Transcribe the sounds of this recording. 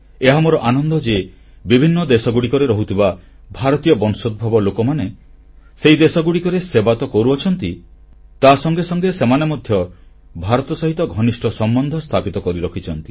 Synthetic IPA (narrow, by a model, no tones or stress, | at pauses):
eɦamoɾɔʔanɔnd̪ɔd͡ʒe | bibʱinːɔd̪esɔɡuɽikɔɾeɾɔɦut̪ʰiba | bʱaɾɔt̪ijɔbɔnsod̪̚bʱabɔlokɔmane | seid̪esɔɡuɽikɔɾesebat̪ɔkɔɾuɔt͡ʃʰɔnt̪i | t̪asɔŋɡesɔŋɡesemanemɔd̪ʱjɔ | bʱaɾɔt̪ɔsɔɦit̪ɔɡʱɔnisʈʰɔsɔmbɔnd̪ʱɔst̪ʰapit̪ɔkɔɾiɾɔkʰit͡ʃʰɔnt̪i̥